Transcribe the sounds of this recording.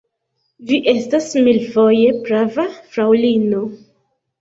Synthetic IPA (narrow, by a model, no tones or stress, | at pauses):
viʔe̞stasmilfo̞je̞pɾavafɾawlino̞